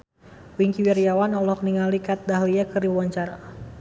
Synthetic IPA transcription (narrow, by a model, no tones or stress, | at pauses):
wiŋkiwɛɾiawanɔlɔkniŋalikat̪̚daɦliakərdiwawaɲt͡ʃaɾa